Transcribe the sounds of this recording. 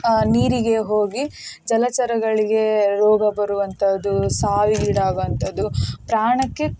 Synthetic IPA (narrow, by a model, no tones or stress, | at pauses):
niːɾiɡe̞ɦoːɡid͡ʒɐlɐt͡ʃɐɾɐɡɐɭiɡe̞ɾɔːɡɐbɐɾuʋɐnt̪ʰɐd̪ːusaːʋiːɽaːɡɐnt̪ɐd̪upɾaːɳɐkːe̞